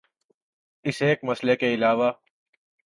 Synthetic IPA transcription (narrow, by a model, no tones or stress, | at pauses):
ɪseːkmɐslekeɪlaːʋaː